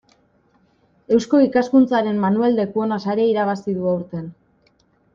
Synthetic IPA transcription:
e̞wsko̞ikaskunt͡saɾe̞mːanueld̪e̞kuo̞nasaɾe̞iɾaβasiðuawɾt̪e̞n

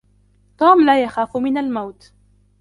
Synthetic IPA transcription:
t̪ˤuːmlaːjaxaːfmɪnalmawt̪

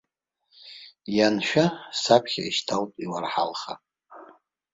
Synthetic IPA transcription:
janʃᶣasapʰχʲa̰iʃtʰaltʼiwarħa̰lχa̰

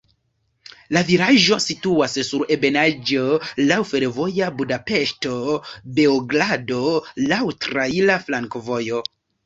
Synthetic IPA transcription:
laviɾaʒo̞situassuɾe̞be̞nad͡ʒo̞lawfe̞ɾvo̞jabudape̞ʃto̞be̞oɡlado̞lawtɾailaflaŋkovo̞jo̞

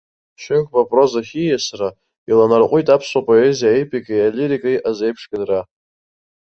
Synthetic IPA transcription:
ʃɪŋkʷʼpʼapʼro̞zaχʲijasra | ilanarqʷʼʊjtʼapʰsʷapʼo̞ezijaepʰʼikʼajalʲiɾikʼajʔazejpʰʂɡʼɨdra

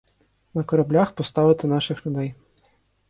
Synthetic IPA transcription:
nɐkɔɾɐblʲaxpɔst̪ɑʋɪt̪ɪnɑʃɪxlʲʊd̪ɛj

